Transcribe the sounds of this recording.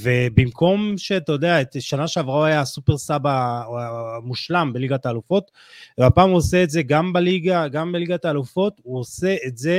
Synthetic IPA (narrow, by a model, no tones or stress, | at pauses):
ve̞bimko̞mʃe̞t̪od̪eaetʃanaʃeavʁaoajasupe̞ʁsaba | muʃlambe̞liɡat̪aːlufo̞t̪ | vapaːmuose̞etze̞ɡambaliɡaɡambeliɡat̪aːlufo̞t̪uose̞ʔetze̞